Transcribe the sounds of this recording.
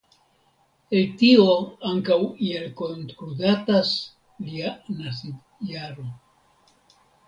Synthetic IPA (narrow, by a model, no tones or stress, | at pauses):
eltio̞aŋkawielko̞ntkludatas | lianasid | jaɾo̞